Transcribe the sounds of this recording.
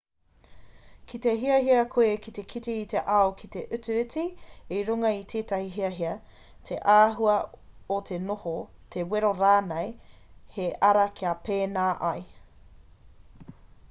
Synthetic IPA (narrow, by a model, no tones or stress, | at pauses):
kʰit̪eɦiɐɦiɐkʰoekit̪ekʰitiːt̪eʔɐokʰit̪eʔʉt͡sʉʉtiiɾuŋɐit̪ʰeːtɐhiɦiɐɦiɐ | tʰeʔaːɦuɐot̪ʰenohotʰeweɾoɾaːnej | heʔɐɾɐkʰiɐpeːnaːʔɐj